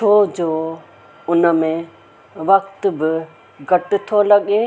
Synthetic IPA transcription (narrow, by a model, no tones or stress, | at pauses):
t͡ʃʰod͡ʒoː | ʊnəmẽ | ʋək̚t̪bɪ | ɡəʈt̪ʰolɐɠeː